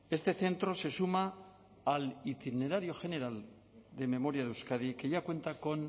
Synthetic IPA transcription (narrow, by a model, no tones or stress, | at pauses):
e̞st̪e̞θe̞nt̪ɾo̞se̞sumaː | lit̪ine̞ɾaɾjo̞xe̞ne̞ɾal | d̪e̞me̞mo̞ɾjaðewskað̞ike̞ʝakwe̞nt̪ako̞n